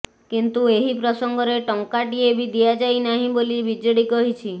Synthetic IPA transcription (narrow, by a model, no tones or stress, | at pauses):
kint̪ueɦipɾɔsɔŋɡɔɾeʈɔŋkaʈiebʱid̪ijad͡ʒajnaɦĩbolibid͡ʒɔɽikɔɦit͡ʃʰi